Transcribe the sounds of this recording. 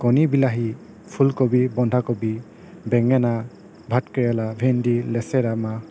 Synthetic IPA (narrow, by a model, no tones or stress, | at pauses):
kɔnibilaɦi | pʰulkɔbibɔndʱakɔbi | bɛŋɛna | bʱatkɛɹalabʱendilɛsɛɾama